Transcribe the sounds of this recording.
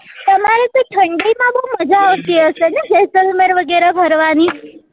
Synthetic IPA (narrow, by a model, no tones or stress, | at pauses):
t̪əmaɾet̪oʈʰəɳɖimãbəɦuməd͡ʒaːʋt̪iəʃenekesəlmeɾʋəɡeɾabʱəɾʋani